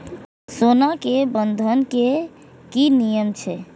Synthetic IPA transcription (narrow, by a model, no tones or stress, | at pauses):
sonakebənd̪ʱənke | kinijəmt͡ʃʰɛ